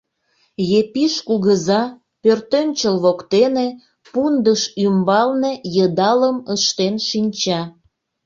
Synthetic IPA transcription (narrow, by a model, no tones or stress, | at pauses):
jepiʃkuɣəzɑ | pørt̪ønʲt͡ɕəlβokt̪ene | pund̪əʃymbɑlnejəd̪ɑləməʃt̪enʃinʲt͡ɕɑ